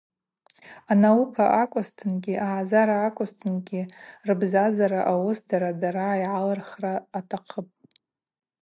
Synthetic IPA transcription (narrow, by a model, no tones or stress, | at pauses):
anawupʰaʔakʷʼʊstʰɨnɡʲiʔaʕazaɾaːkʷʼʊstʰɨnɡʲirɨbzazaɾaʔawʊsdaɾadaɾaːjʕalarχraːtʰaqʰəpʼ